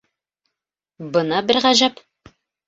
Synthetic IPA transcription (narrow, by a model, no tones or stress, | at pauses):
bɤnɑbɘɾʁæʒæp